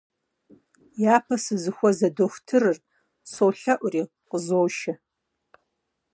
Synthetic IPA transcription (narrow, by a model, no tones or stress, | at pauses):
jaːpʰɐsɨzɨxʷɔzɐdoxʷtʰɨrɨr | sowɬɐʔʷʊriː | qəzoːʃɐ